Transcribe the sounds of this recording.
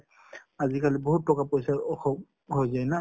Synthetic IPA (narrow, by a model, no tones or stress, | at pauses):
azikaliboɦutːɔkapojsaɹɔxɔb | ɦojzajna